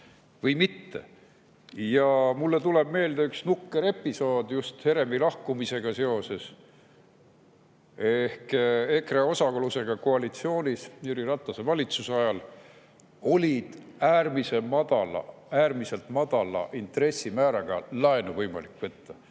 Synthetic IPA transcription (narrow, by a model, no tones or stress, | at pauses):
vɤjmit̪ːe̞̰ | jɑmulːe̞t̪ule̞b̥me̞ːld̪eyksnukːe̞ɾe̞pːˑiso̞ːd̪̥just̪he̞ɾe̞milɑhkumise̞ɡ̥ɑse̞o̞se̞s | ehkekreosɑkoluse̞ɡ̥ɑkoɑlit̪sio̞ːnʲisjuɾirɑt̪ːˑɑsevɑlʲit̪susɑjɑl | o̞lʲid̪̥æːrmise̞mɑd̪̥ɑlɑ̰æːrmise̞lt̪mɑd̪̥ɑlɑ̰ʔint̪re̞sːimæːɾɑɡ̥ɑ̰lɑenuvɤjmɑ̰likːvɤt̪ːɑ